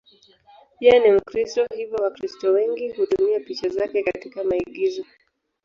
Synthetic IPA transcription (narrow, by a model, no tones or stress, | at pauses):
pianim̩kɾistɔhivjɔwakɾistɔwɛŋɡihutumiapit͡ʃazakɛkatikamaiɠizɔ